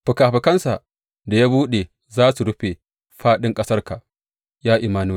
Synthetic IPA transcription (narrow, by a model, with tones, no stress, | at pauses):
ɸʊ˨kaː˨ɸɪ˨kɐ˦nsa˨ʔ | da˨jaː˦buː˦ɗe˨ | zaː˦su˨ɾʊ˦ɸe˨ | ɸaː˦ɗɪ˦ŋkʼɐ˦sɐ˦rka˨ | jaː˦ʔɪ˨maː˦nuː˦˨